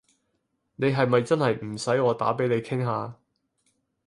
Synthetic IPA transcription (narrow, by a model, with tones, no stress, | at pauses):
ne˨˧jɦɐ˨jmɐ˨jt͡sɐ˥nhɐ˨jm̩˨˩sɐ˨˥jɔː˨˧t̪a̰ː˨˥pe˨˥jne˨˧jkʰɪ˥ŋɦaː˨˧